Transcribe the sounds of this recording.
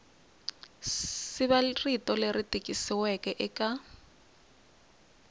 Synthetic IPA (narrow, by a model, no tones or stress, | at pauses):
sɪβaritʼɔleritʼikʼisiwɛkʼɛʔɪkʼa